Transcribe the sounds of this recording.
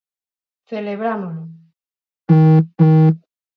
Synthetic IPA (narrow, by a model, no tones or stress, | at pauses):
θeleβɾamolʊ